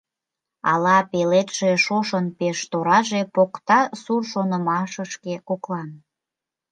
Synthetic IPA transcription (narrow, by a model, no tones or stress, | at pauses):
ɑlɑpelet̪ʃeʃoʃənpeʃt̪oɾɑʒepokt̪ɑsurʃonəmɑʃəʃkekoklɑn